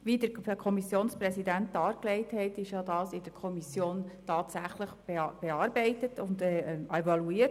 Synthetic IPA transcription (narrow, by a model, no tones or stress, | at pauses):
ʋiːdəɾkʰɔmisjoːnspɾɛsidæntːɑːɾklɛɪthɛtɪʃjɑdɑːsɪd̥əɾkʰɔmisjoːntɑːtsæχləχb̥b̥ɛɑːɾbɛɪtətʰʊndɛɛvɑluiːət